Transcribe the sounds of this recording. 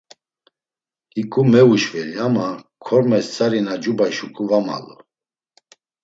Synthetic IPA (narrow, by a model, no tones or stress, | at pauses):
ikʼumɛuʃvɛliamakʰɔɾmɛst͡sʼaɾinad͡ʒubajʃukʼuvama̰lɔ̰